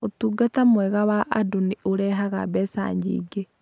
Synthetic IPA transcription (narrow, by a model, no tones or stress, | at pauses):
otuːɡatamwɛɣawaʔadoniʔoɾɛɦaɣa̰bɛsa̰ɲd͡ʒḭːɡe